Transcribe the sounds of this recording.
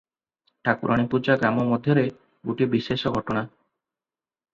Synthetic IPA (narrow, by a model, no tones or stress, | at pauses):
ʈʰakuɾʔaɽ̃ipud͡ʒaɡɾamɔmɔd̪ʱjɔɾe | ɡuʈibisesɔɡʱɔʈɔɽ̃a